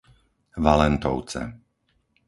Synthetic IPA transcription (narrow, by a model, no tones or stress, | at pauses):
ʋalɛnt̪ɔʊt͡sɛ̰